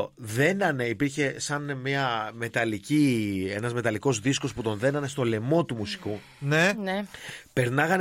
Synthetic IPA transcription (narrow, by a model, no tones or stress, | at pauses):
ðe̞nɐneipiɾçe̞sɐnmiɐme̞t̪ɐlicie̞nɐzme̞t̪ɐliko̞zðisko̞sput̪o̞nðe̞nɐne̞st̪o̞le̞mo̞t̪umusi̥ku | nenepe̞ɾnɐɣɐn